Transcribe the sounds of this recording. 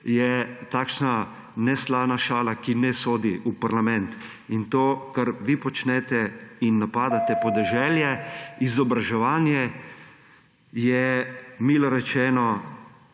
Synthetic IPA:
jɛt̪aːkʃna | nɛslaːnaʃaːlakinɛsoːd̪iupaɾlamɛ̃nt̪ | int̪oːkaɾʋipɔt͡ʃnɛt̪ɛinːapaːd̪at̪ɛpɔd̪ɛʒɛljɛizɔbɾaʒɛʋaːnjɛ | jɛmiːlɔɾɛt͡ʃɛːnɔ

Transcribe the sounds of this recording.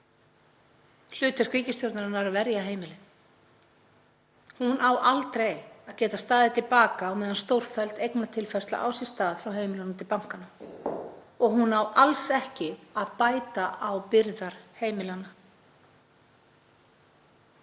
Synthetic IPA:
l̥ʏːt̪ɪɾ̥kʰɾiːcɪst̪jowɾt̪naɾʏnaaɾavɛɾjaɦeːjmɪlɪn | hunʔaːwʔalt̪ɾejaðcɛːt̪ast̪aːðɪt̪ʰɪlpaːkaːwmɛːðanst̪owɾ̥fɛlt̪ejknat̪ʰɪlfɛst̪la̰ʔa̰wsɛst̪aːðfɾawɦeːjmɪlanamt̪ɪlpawŋ̥kana | ɔɣɦunaːwalsɛhcɪaðpaːjt̪aʔawpɪɾðaɾ̥heːjmɪlanːa

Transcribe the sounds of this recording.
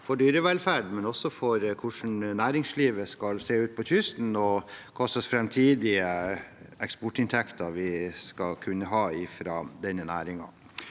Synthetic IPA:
fɔɖyːɾəʋɛlfæɖmɛnɔsɔfɔɾkʰʊʂn̩næːɾɪŋsliːʋəskɑlseːʉːt̪̚pʰɔt̪ʰʏst̪n̩ɔkʰɑsəsfɾɛmt̪ʰiːd̪ɪə | ɛkspɔʈɪnt̪ʰɛkt̪ʰɑɾʋɪskɑlkʰʉnːəɦɑːɪfɾɑːd̪ɛnːənæːɾɪŋɑ̰

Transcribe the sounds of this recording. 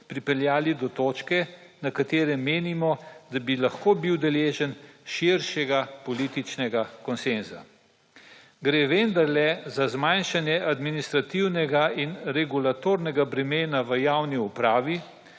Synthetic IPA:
pɾipɛljaːlid̪ɔt̪oːt͡ʃkɛnakat̪eːɾɛmeːnimɔd̪abilaxkoːbiwd̪ɛleːʒənʃiɾʃɛɡapɔliːt̪it͡ʃnɛɡakɔnsenza̰ | ɡɾeːʋend̪aɾlɛzazmajnʃanjɛʔad̪minist̪ɾat̪iwnɛɡainɾɛɡulat̪oɾnɛɡabɾɛmeːnaʋəjawniupɾaːʋi

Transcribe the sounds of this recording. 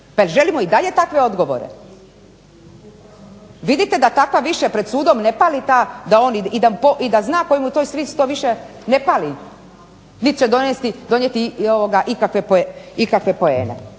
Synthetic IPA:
paelʒe̞limoid̪aʎe̞t̪akʋe̞o̞d̪ɡo̞ʋo̰ɾḛ | ʋid̪it̪e̞d̪at̪akʋaʋiʃepɾed̪suːd̪o̞mnepaːlit̪aːd̪ao̞ːniid̪amupoʔid̪aznaːko̞jimut̪ojsɾiːst̪oʋiʃene̞paːli | nit̪t͡ɕed̪onest̪id̪o̞njet̪ioʋoɡaʔikakʋe̞poeikakʋe̞po̞e̞̰ːnḛ

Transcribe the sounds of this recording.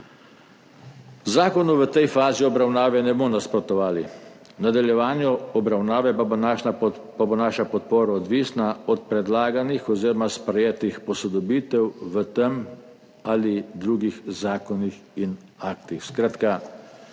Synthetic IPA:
zaːkɔnuʋət̪ɛjfaːziɔbɾawnaːʋɛnɛbonaspɾɔt̪ɔʋaːli | nad̪aljɛʋaːnjɔɔbɾawnaːʋɛa | pabonaːʃapɔt̪̚poːɾaɔd̪ʋiːsnaɔt̪̚pɾɛd̪laːɡanixɔziːɾɔmaspɾɛjeːt̪ixpɔsɔd̪ɔbiːt̪ɛwʋət̪ɛm | alid̪ɾuːɡixzaːkɔnixinaːkt̪ixskɾaːt̪ka

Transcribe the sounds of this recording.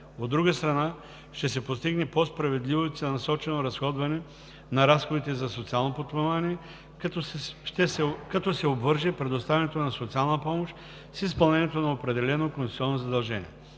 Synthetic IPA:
od̪ːɾuɡəst̪ɾɐna | ʃt̪ɛs̬ɛpost̪iɡnɛpospɾɐvɛd̪livot̪sɛnɐsɔt͡ʃɛnoɾɐsxɔd̪vɐnɛ | nɐɾasxod̪it̪ɛzɐsot̪sialˠnopot̪pːovaniɛ | ʃt̪ɛsɛkɐt̪ɔsɛobvɤɾʒɛpɾɛd̪ost̪avɛnɛt̪onɐsot̪sialˠnəpɔmoʃt̪ | sispɐlˠnɛnʲijɛt̪onɐopɾɛd̪ɛlɛnokõnssiɔnːozɐd̪ɐlˠʒɛnʲḭɛ

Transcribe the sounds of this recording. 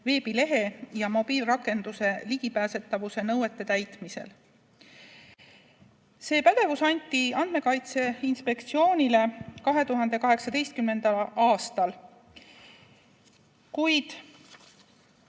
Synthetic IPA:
ve̞ːb̥ile̞ɦe̞jɑmo̞b̥iːlrɑkːˑe̞nd̪use̞liɡ̥ipæːse̞t̪ːˑɑvuse̞nɤwe̞t̪ˑːe̞t̪æjt̪ˑmise̞̰l | se̞ːpæd̪̥e̞vusɑnʲt̪ːˑiɑnd̪̥me̞kɑjt̪se̞inspe̞kt̪sio̞ːnʲile̞kɑɦe̞t̪uɦɑnd̪̥e̞kɑɦe̞ksɑd̪e̞jst̪̚kymːe̞nd̪̥ɑlɑːst̪ɑl | kujd̪̥

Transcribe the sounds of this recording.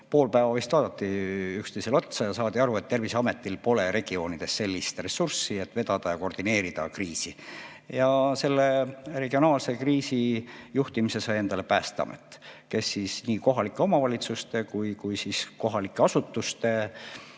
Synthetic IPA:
po̞ːlpæevɑvist̪vɑːd̪ɑt̪ˑːiykst̪e̞jse̞lo̞t̪sɑjɑsɑːd̪iɑɾue̞t̪t̪ːe̞rviseɑme̞t̪ːˑilpo̞le̞ɾe̞ɡ̥io̞ːnid̪̥e̞sːe̞lʲːist̪re̞sursːie̞t̪ːˑve̞d̪̥ɑd̪̥ɑjɑko̞rd̪̥ine̞ːɾid̪̥ɑ̰kriːsi | jɑse̞lːe̞re̞ɡio̞nɑːlse̞kriːsijuht̪imise̞sɑje̞nd̪ɑle̞pæːst̪ɑ̰mḛt̪ːˑke̞sːisniːko̞ɦɑlikːˑe̞o̞mɑvɑlʲit̪sust̪e̞kujkujsisko̞ɦɑlikːˑeɑsut̪ːˑust̪e̞

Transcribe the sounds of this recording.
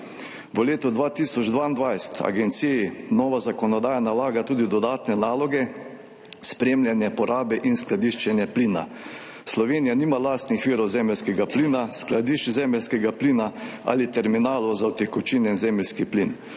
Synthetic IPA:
ʋəleːt̪ɔd̪ʋaːt̪iːsɔd͡ʒd̪ʋaːind̪ʋajst̪ʰa̰ɡɛnt̪sijinɔːʋazakɔnɔd̪aːjanalaːɡat̪uːd̪id̪ɔd̪aːt̪nɛnaːlɔɡɛ | spɾeːmlʲjanjɛpɔɾaːbɛʔinsklad̪iʃt͡ʃɛnjɛpliːna̰ | slɔʋeːnijaniːmalaːst̪nixʋiːɾɔwzɛːmɛlskɛɡapliːnasklad̪iːʃt͡ʃzɛːmɛlskɛɡapliːnaa̰lit̪ɛɾminaːlɔwzawt̪ɛkɔt͡ʃiːnɛnzɛːmɛlskiplin

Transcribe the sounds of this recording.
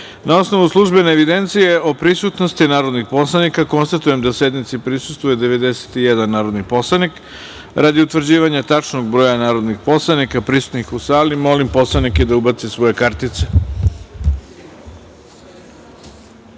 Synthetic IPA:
nao̞sno̞ʋuslˠuʒbe̞neːʋid̪e̞nt̪sije̞opɾisut̪nost̪inaːɾo̞d̪nixpo̞slanikako̞nst̪at̪ujemd̪ase̞d̪nit̪sipɾisu̥st̪vujed̪e̞ʋe̞d̪ese̥t̪ijed̪anːaːɾo̞d̪nipo̞slˠanik | ɾad̪iut̪ʋr̩d͡ʑiːʋaɲat̪at͡ʂnoɡbɾo̞ːjanaːɾo̞d̪nixpo̞slˠanikapɾisu̥t̪nikusaːlimo̞limpo̞slˠaniked̪aubat̪sisʋo̞je̞kaɾt̪it̪se

